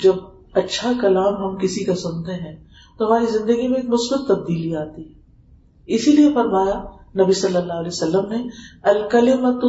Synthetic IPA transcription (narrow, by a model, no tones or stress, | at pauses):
d͡ʒɐb̚ | ɐtːʃʰakɐlaːmɦɐmkɪsikasʊ̃nt̪eɦɛ̃ː | t̪oɦɐmaːɾizɪ̃nd̪əɡimẽːkmʊsbət̪ːɐb̚d̪iːliaːt̪iɦɛː | ɪsiliefɐɾmaːjanɐbisɐlːəlːaːɦleːsɐlːəmneɐlkɐlɪmət̪ʊ